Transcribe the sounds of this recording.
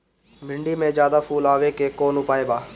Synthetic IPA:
mɪ̃ɳɖiːmẽːd͡ʒjaːd̪aːpʰuːlaːʋeːkekoːnʊpaːeːbaː

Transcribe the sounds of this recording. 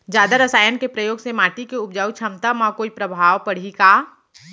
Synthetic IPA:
d͡ʒaːd̪aɾəsaːjənkepɾəjoːɡsemaːʈikeʊpd͡ʒaːwt͡ʃʰɐmt̪əmakoːipɾəbʱaːʋpəɽ̤ikaː

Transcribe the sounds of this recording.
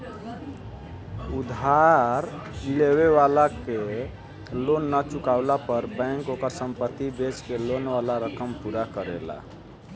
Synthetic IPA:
ud̪ʱaɾ | leweʋalake | lonːət͡ʃukaʊlapəɾbɛ̃ŋkokəɾsəmpət̪ːibed͡ʒkelonwalaɾəkəmpuɾakəɾḛla̰

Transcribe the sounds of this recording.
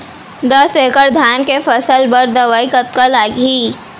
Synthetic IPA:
d̪ɐsekəɾd̪ʱaːnkefəsəlbəɾd̪ɐʋaːikət̪̚kalaːɡiː

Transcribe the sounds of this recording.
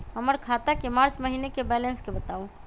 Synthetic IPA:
ɦəməɾkʰat̪akemaɾt͡ʃməɦinekebɛlenskebət̪au

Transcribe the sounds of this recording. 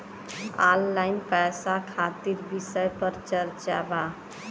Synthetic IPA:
alːajnpɛjsakʰat̪iɾbisəjpəɾt͡ʃəɾt͡ʃa̰ba

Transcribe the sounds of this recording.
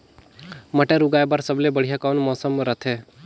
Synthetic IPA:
məʈeɾuɡaːjbaɾsəblebəɽ̤ijakawnmɔːsəmɾət̪ʰe

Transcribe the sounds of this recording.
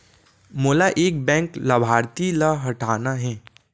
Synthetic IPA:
moːlaʔeːk̚bɛ̃ːŋklɐbʱaːɾt̪ilaɦɐʈʰaːnaɦɛː

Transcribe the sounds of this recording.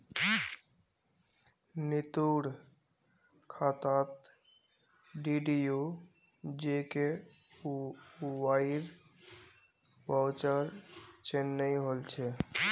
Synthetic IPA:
nit̪uɽ | kʰat̪at̪ | ɖiɖiju | d͡ʒeke | waiɾ | wawt͡ʃəɾt͡ʃenːəjɦolt͡ʃʰɛ

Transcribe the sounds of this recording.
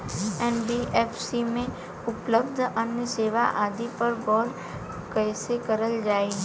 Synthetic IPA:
ɛnbiʔeːfʰsimẽ | ʊpləbd̪ʱɐnjəseːʋa̰ʔaːd̪ipɐɾɡɔːɾ | kɛːsekɐɾəld͡ʒaːi

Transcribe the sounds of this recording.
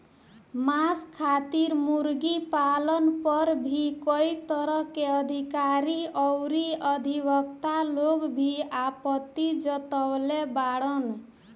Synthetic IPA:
maskʰat̪iɾmuɾɡipalʌnpʌɾbʱikɔjt̪ʌɾʌkeʌd̪ʱikaɾiʌwɾiʌd̪ʱibʌk̚t̪alokbʱiapʌt̪ːid͡ʒʌt̪ɔwlebaɽɔn

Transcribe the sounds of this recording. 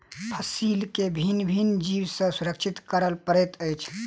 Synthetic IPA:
pʰəsilkebʱinbʱind͡ʒiwsə̃suɾək̚t͡ʃʰit̪kəɾəlpəɾɛt̪əjt͡ʃʰ

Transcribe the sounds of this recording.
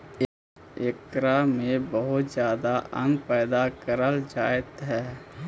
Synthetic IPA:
ekɾamẽbəɦʊt̪zjaːd̪aʔə̰̃ŋɡpɛːd̪akəɾəld͡ʒaːet̪ɦɛː

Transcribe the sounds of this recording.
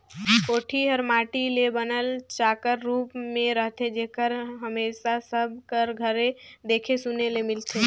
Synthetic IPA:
koːʈʰiɦəɾmaːʈilebənəlt͡ʃaːkəɾːuːpmẽɾəɦt̪ed͡ʒeɦkəɾɦəmeːʃasəb̚ʱkəɾɡʱəɾed̪eːkʰesunelemɪlt̪ʰe

